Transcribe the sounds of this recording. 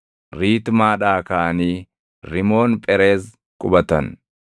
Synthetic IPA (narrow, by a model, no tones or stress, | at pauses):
ɾiːt̪maːᶑaːkɐʔɐniː | ɾɪmo̞ːnpʼɛɾeːs | kʼʊbɐt̪ɐn